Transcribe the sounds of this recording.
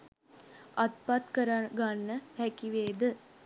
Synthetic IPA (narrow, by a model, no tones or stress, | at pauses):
ʔat̪pat̪kəɾaɡanːəhɛkiʋeːd̪ə